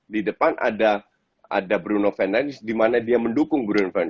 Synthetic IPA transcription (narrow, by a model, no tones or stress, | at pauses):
didəpanʔa̰da | a̰dabɾunofɛnanɪsdimanadiaməndukʊŋbɾunofɛn